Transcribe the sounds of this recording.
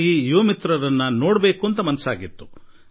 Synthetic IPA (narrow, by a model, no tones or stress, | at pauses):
iːjoːmit̪ɾɐɾɐnːɐno̞ːɽbe̞ːkuɐnt̪ɐmɐnɐsaːɡit̪ːu̥